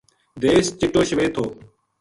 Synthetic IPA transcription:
d̪eːst͡ɕɪʈoːɕəʋeːt̪ʰoː

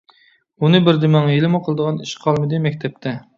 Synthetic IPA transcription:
unɨbɪɾd̪ɪmæŋjelɪmuqʰəlˠəd̪əʁɑniʃqʰɑlˠmɨd̪ɨmɛk̚ʲt̪ʰɛp̚t̪ʰɛ

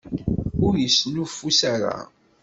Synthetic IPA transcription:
ʊɾjəsnufːusaɾa̰

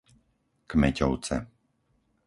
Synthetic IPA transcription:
kmɛcɔʊt͡sɛ̰

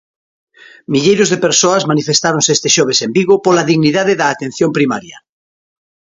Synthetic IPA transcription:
miʎejɾozðepeɾsoazmanifest̪aɾõnsest̪eʃɔβ̞esembiɣopolaðiɣniðaðeðaːt̪en̟θjompɾimaɾjɐ

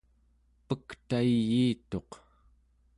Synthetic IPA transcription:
pəkt̪aijiːt̪o̞q

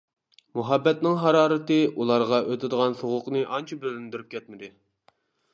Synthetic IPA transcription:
muɦɑbːɛt̪nɪŋɦɑɾɑːɾɨt̪ɨulˠɑɾʁɑʔøt̪ʰɪd̪əʁɑnsoʁʊqnɨʔɑnt͡ʃʰɑbølɪnd̪yɾyp̚kʲʰɛt̪mɪd̪ɪ

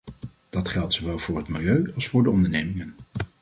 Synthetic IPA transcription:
d̥ɑtχɛlˠtsowʋɛlˠvʊːɹɦətmɪlˠjøɥɑlˠsfʊːɹdəɔndəɹnejmɪŋən

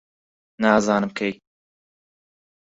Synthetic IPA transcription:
naːzɑːnɨmkʰɛj

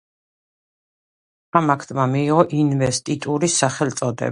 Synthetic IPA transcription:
amakʰt̪ʼmamiːʁɔʔinvɛst̪ʼit̪ʼuɾisːaχɛlt̪sʼɔd̪ɛ̰b

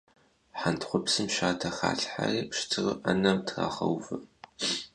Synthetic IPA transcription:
ħantʰχʷʊpsɨmʃaːtʰɐxa̰ːɬħariːpʂtʰɨʁɨ̰ʔɐnɐmtʰra̰ːχɐ̰wvɨ

